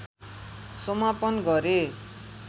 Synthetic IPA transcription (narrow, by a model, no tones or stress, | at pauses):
sʌmapʌnɡʌɾe